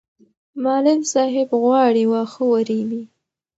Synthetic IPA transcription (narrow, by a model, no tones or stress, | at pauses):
mɑlɪlsɑɦɪbɣwɑɽiwaxəwaɾiwi